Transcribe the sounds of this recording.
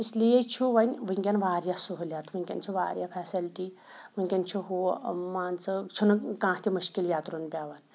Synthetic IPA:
islijet͡ʃʰuʋɐnʲʋɨŋkʲanʋaːɾjasuɦlʲjat̪ʰʋɨŋkʲɐ̰nt͡ʃʰuʋa̰ːɾʲjafʰɛːsilʈi | ʋɨŋʲkʲant͡ʃʰuɦumaːnt͡sɨt͡ʃʰunukãːɦt̪ʰiməʃkiljaːt̪ɾunpʲjaːʋan

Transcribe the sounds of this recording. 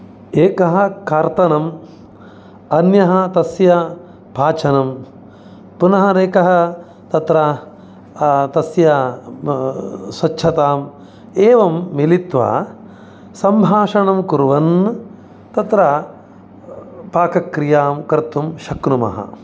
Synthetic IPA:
eːkɐɦɐ̆kaːɾt̪ɐnɐm | ɐnjɐɦɐ̆t̪ɐsjɐ | paːt͡ʃʰɐnɐm | punɐɦɐɾeːkɐɦɐ̆ | t̪ɐt̪ɾɐ | t̪ɐsjɐ | sʋɐtːʃʰɐt̪aːm | eːʋɐmːilit̪ʋɐ̰ | sɐmbʱaːʂɐɳɐmkuɾʋɐn | t̪ɐt̪ɾɐ | paːkɐkɾijaːmkɐɾt̪umʃɐknumɐ̰ɦɐ̰

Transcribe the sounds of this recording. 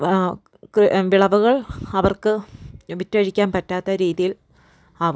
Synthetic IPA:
kʋiɭɐʋuɣɐɭɐʋɐrkɨʋitːɐɻikʲːaːnpɐtːaːt̪ːɐɾiːðijil | ɐ

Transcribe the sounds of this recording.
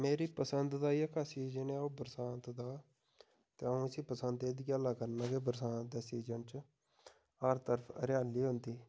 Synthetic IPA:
meːɾiːpəsənd̪d̪aːiːəkaːsiːd͡ʒənɛːoːbəɾsãːnt̪d̪aː | t̪eːəõːəsiːpəsənd̪eːd̪iaːlaːkəɾnaːkeːbəɾsãːt̪̚d̪eːsiːd͡ʒənt͡ʃ | həɾt̪əɾpʰə̰ɾjaːliːɦʊnd̪iː

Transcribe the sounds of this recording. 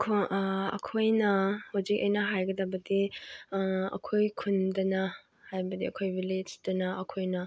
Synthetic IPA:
kʰoɐ̰kʰojnɐhozik̚ɐ̰jnɐɦajɡɐdɐbɐdi | ɐ̰kʰojkʰundɐnɐ | hajbɐdiɐkʰojbiled͡ʒdɐnɐɐkʰojnɐ

